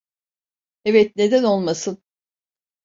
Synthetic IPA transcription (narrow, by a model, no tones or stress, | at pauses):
evɛt̪̚ne̞d̪æno̞lˠmasɯn